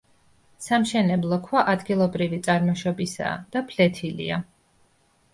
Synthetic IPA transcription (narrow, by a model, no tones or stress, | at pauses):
samʃɛnɛblˠɔkʰwaʔad̪ɡilˠɔbɾivit̪sʼaɾmɔʃɔbisa̰ːd̪̥apʰlɛt̪ʰilḭa